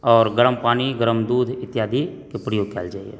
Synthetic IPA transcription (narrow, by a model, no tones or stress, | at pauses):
ɔːɾɡəɾəmpaːniɡəɾəmd̪uːd̪ʱɪt̪jaːd̪ʱikepɾəjoːɡ̚kʰɛːld͡ʒaːḭɛ̰ː